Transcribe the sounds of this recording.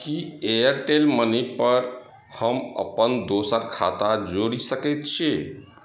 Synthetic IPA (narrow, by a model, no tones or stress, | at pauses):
kieəɾʈelmənipəɾ | həmə̰pənd̪osəɾkʰa̰t̪ad͡ʒoɽisəkɛt̪t͡ʃʰi